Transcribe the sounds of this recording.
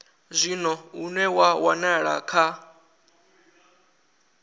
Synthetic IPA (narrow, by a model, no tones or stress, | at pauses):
zʷinɔunɛwawanaɺa̰kʰa